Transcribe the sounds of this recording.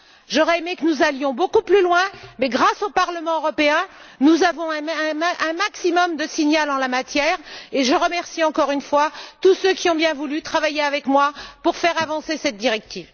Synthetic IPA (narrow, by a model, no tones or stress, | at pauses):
ʒɔʁɛemekənuzaljɔ̃bokuplylwɛ̃mɛɡʁasopaʁləmɑ̃øʁɔpeɛ̃nuzavɔ̃ɛ̃ɛ̃ʔɛ̃maksimɔmd̪əsiɲalɑ̃lamat̪jɛːʁeʒəʁəmɛʁsiɑ̃kɔʁynfwat̪usøkʲiɔ̃bjɛ̃vulyt̪χavajeavɛkmwapuʁfɛʁavɑ̃sesɛt̪̚d̪iʁɛk̚t̪iːv